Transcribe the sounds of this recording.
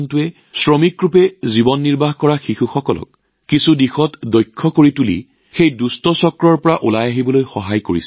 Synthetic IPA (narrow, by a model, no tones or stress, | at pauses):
ntʊɛ | sɹɔmikɹupɛzibɔnːiɹbaɦkɔɹaxixuxɔkɔlɔ̰kː | isudixɔtdɔjkʰːɔkoɹitulḭ | xejdustɔsɔkɹɔɹpɔɹaʔulajaɦibɔlojxɔɦajkoɹḭsɛ